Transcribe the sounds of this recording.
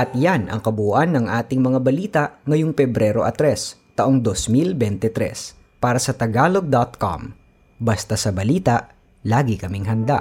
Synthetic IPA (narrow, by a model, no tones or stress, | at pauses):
ʔɐt̪̚janɐ̰ŋkɐbuuʔɐnːɐŋʔaːt̪ɪŋmɐŋabɐliːt̪ɐʔŋɐjoŋpɛbɾɛːɾo̞ʔɐt̪ɾɛst̪ɐʔoŋd̪osmilbɛnt̪ɛt̪ɾɛ̰s | paːɾɐsɐt̪ɐɡaːloɡ̚d̪ɐt̪̚ko̰m | bɐst̪asɐbɐliːt̪ɐʔ | laːɡɪkɐmɪŋɦɐnd̪a̰ʔ